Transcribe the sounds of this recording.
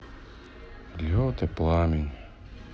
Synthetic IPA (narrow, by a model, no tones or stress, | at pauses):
lʲɔːt̪ɛplˠaːmi